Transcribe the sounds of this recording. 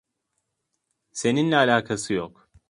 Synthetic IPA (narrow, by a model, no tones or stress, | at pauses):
se̞ninlɛalʲaːkʰasɯjok